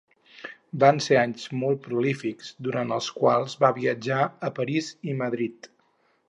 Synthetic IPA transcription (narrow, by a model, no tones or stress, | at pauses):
banseaɲzmɔlˠt̪̚pɾulifikz̥d̪uɾant̪əlˠskwalˠzβaβiəd͡ʒaəpəɾiziməðɾit̪